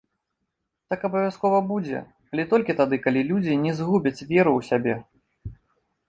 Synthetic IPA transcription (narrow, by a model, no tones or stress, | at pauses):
t̪akɐbɐvʲjaskɔvɐbud͡zʲɛ̰ | ɐlʲɛt̪ɔlʲkʲit̪ad̪ɨkalʲilʲud͡zʲinʲɛzɣubʲɐt͡sʲvʲɛɾuwsʲabʲɛ